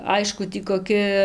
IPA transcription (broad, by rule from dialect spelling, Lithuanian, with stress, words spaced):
ˈɐɪʃkʊ ˈtʲiː koːˈkʲɪ